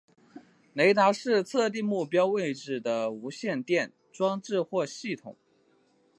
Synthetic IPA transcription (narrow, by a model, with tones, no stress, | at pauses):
ne˧˥ɪt̪a˧˥ʂɻ̩˥˧t͡sʰɤ˥˧t̪̬i˥˧ŋmu˥˩pjɑ˥ʊwe˥˩ɪʈ͡ʂɻ̩˥˩d̪ə˦u˧˥ɕjɛ˥˧nt̪jɛ˥˩n | ʈ͡ʂwɑ˥ŋʈ͡ʂɻ̩˥˧xwɔ˥˧ɕi˥˩t̪ʰʊ̰˨˩˦ŋ